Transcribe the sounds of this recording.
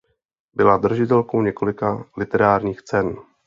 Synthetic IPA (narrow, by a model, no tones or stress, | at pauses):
bɪlad̪r̩ʒɪt̪ɛlko̞wɲɛko̞lɪkalɪt̪ɛɾaːɾɲiːxt͡sɛn